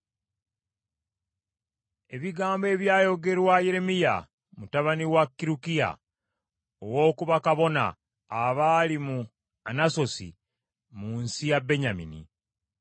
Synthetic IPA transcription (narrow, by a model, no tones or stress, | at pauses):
e̞βiɡaːmbe̞ːβjaːjo̞ɡe̞ɾwajeɾe̞mija̰ | mutaβaniwakːiɾukija̰ | owo̞ːkuβakaβo̞na̰ː | βalimu | anaso̞sḭ | muːnsijabe̞ɲamḭnḭ